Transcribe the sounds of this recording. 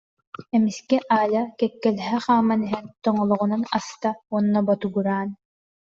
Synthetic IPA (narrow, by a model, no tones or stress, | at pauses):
ɛmiskɛʔaːjakɛkːɛlɛɦɛχaːmːaniɦɛnt̪ɔŋɔlˠɔʁunanast̪auɔnːɔbɔt̪uɡuɾaːn